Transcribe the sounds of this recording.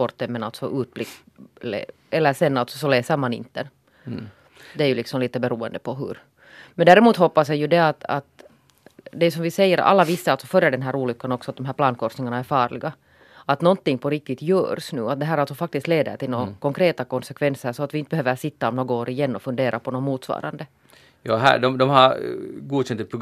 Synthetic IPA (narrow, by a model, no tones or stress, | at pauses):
ɔɾt̪ːənmɛnalt̪sɔʔʉːt̪̚blɪkː | lḛ | ɛlːəʂɛnːalt̪sɔsɔleːsəɾmanɪ̰nt̪əɛ | d̪ɛæɾjɵlɪksɔmliːt̪əbɛɾuːɛnd̪əpʰɔɦɵ̰ɾ | mɛnd̪æːɾɛmuːt̪hɔpːasɛjʉd̪ɛat̪a̰t̪ | d̪ɛʉsɔmvɪsɛjːəɾa̰lːavɪsːəalt̪sɔfœɾːəd̪ɛnɦæːɾuːlʏkːanɔksɔat̪̚d̪ɔmɦæːplɑːnkʰɔɾnɪŋanaæɾfɑːɾlɪɡa | at̪nɔnt̪ːɪŋːpʰɔɾɪk̚t̪ɪt̪jœ̰ːɾsnʉ̰ːat̪̚d̪ɛɦæːɾalt̪sɔfak̚t̪ɪst̪leːd̪ə̰ʈɪlnoːkɔŋkɾeːt̪akɔnsɛkʰvɛnsəɾsɔat̪ʋɪɪnt̪əbɛhøːvəʂɪt̪ːaɔmnoːɡoːɾɪjɛnːɔfɵnd̪eːɾʔapʰɔnomuːt̪svɑ̰ːɾa̰nd̪ə | jɑ̰ːɦæ̰ɖɔmd̪ɔmhaɾɡuːɕɛnt̪əpʰɾʊ